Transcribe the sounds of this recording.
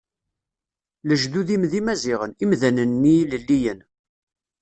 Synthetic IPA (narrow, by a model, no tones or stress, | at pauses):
ləʒðuðimðimæzɪʁənimðænənːiləlːijən